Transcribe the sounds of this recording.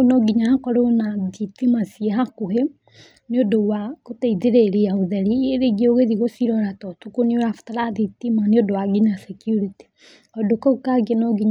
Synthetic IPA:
onɔɡiɲaakɔɾonaðitimasieɦakohe | neodowakotɛiðeɾeɾijaoðɛɾieɾeɡioɣeðiɣosiɾɔɾatɔtukonioɾafu̥taɾaðitimaneodowaɡiɲasɛkjuɾiti̥ | ɔdokɔukaɡenɔɡiɲ

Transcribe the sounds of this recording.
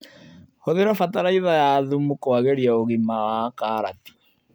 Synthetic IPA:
hoðeɾɔfataɾaiðajaːðumukoaɣeɾiaoɣimawaːkaːɾati̥

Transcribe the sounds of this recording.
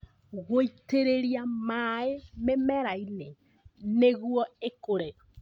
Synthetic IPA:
ɣoiteɾeɾjamaememɛɾaine | neɣwɔekoɾeɾɔ

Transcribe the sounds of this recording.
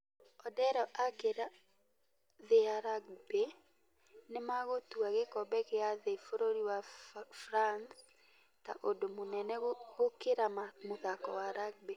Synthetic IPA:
ɔdɛɾɔʔakeɾa | ðeaɾaɡ̚be | nemaɣotuaɣekɔbɛkeaðefoɾoɾiwafɾans | ta̰ʔodomonɛnɛɣokeɾamamoðakɔwaɾaɡ̚be

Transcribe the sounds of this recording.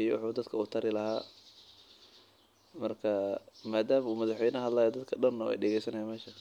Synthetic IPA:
ijɔwʊ̰ħuːd̪ɐd̪kʰɐuːt̪ʰɐɾɪlɐhaː | mɐrkʰɐmaːd̪aːmɐuːmɐðɑħwɛjnɐhɐd̪laːjɔd̪ɐd̪kʰɐɗɐnːɐwɛ̰jɖɛɣɛjsɐnɐjaːmɛːʃɐ

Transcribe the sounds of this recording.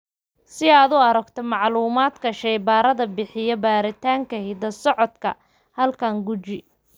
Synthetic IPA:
sɪaːd̪ʊɐɾɐɡt̪ʰɔmɑʕluːmaːd̪kʰɐʃɐjbaːɾɐðɐbɪħɪjɐbaːɾɪt̪ʰaːŋkʰɐhɪd̪ɐsɔʕɔd̪kʰɐ̰ | hɐlkʰɐŋɡʊt͡ʃɪ

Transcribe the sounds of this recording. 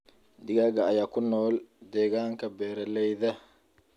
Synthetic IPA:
d̪ɪɡaɡaːjaːkʊnɔːld̪ɛːɡaːŋkɐbɛːɾɐlɛjðɐ

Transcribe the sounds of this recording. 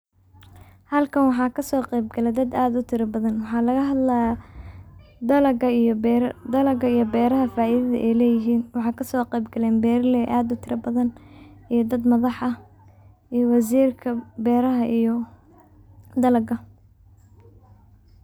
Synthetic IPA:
hɐlkʰɐnwɑħɑːkʰɐsɔːqɛjbɡɐlɛd̪ɐd̪aːd̪ʊt̪ʰɪɾɐbɐðɐnwɑħɑːlɐɣɐɦɐd̪la | d̪ɐlɐɡɐijɾd̪ɐlɐɡɐijɞbɛːɾɐɦɐfaːʔiðɐðɐ̰ʔɛjlɛːjɪɦiːnwɑħɑːkʰɐsɔːqɛjbɡɐlɛːnbɛːɾɐlɛːʔaːd̪ʊt̪ʰɪɾɐbɐðɐnʔijɞd̪ɐd̪mɐðɑħɐ | ijɔwɑsiːrkʰɐbɛːɾɐɦɐʔ | d̪ɐlɐɡɐ

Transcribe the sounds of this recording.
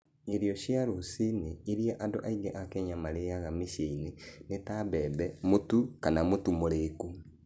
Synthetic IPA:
eɾjoʃjaɾosineiɾiaʔadoʔaiɡɛ̰ʔakɛɲamaɾejaɣamiʃeinenetaβɛðɛmotukanamotumoɾeku

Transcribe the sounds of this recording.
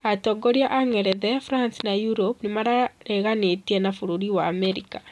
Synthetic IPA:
atɔɡɔɾiaʔaŋɛɾɛðɛfuɾansinajuɾopnimaɾaɾɛɣanetiɛnafuɾuɾiwaːmɛɾika

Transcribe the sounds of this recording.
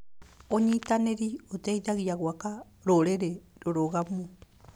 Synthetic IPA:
oɲitaneɾiotɛiðaɣiaɣwaka | ɾoɾeɾeɾoɾoɣamu

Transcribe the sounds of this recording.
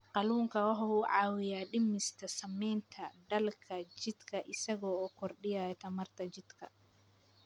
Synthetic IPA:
qɑluːŋkʰɐwɑħɑwuːʕɑːwɪjaːɖɪmɪst̪ʰɐsɐmɛjnt̪ʰɐɖɐlkʰɐt͡ʃɪd̪̥kʰɐʔɪsɐɣɔːɔkʰɔrɖɪjaːjt̪ʰɐmɐrt̪ʰɐt͡ʃɪd̪kʰɐ̰

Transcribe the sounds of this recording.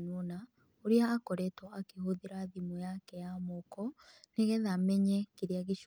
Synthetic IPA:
nona | oɾiaːkɔɾɛtɔakehoðiɾaðimojakɛjamokɔneɣɛðamɛɲɛkiɾiaɣiʃ

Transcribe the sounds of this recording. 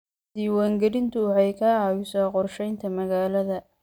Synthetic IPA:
d̪̥iːwaːŋɡɐɾɪnt̪ʰʊwɑħɑjkʰɐjʊsaːqɔrʃɛjnt̪ʰɐmɐɣaːlɐðɐ

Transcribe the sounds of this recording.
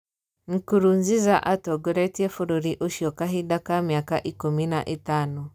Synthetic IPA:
ŋ̩kuɾunzizaʔatɔɡɔɾɛtiɛfuɾuɾiʔuʃiɔkaɦidakamiakaʔikuminaʔitanu

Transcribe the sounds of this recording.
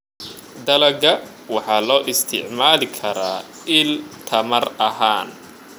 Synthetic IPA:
d̪ɐlɐɡɐ | wɑħɑːlɔːʔɪst̪ʰɪ̰ʕmaːlɪkʰɐɾaː | ɪlt̪ʰɐmɐrɐɦaːn

